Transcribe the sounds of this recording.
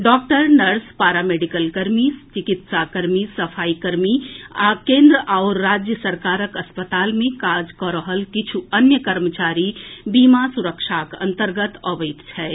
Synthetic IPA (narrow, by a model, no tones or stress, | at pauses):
ɖɔːk̚ʈəɾnɐɾspaːɾameːɖikəlkəɾmist͡ʃɪkɪt̪sakəɾmisɐfʰaːikəɾmiakẽːnd̪ɾəʔaːɾːaːd͡ʒjəsəɾkaːɾəkəspət̪aːlmẽkaːd͡ʒkɔɾəɦəlkɪt͡ʃʰuɐnjəkəɾmət͡ʃaːɾibiːmasʊɾəkʃaːkə̰̃nt̪əɾɡət̪ɔʋəɪt̪t͡ʃʰɛː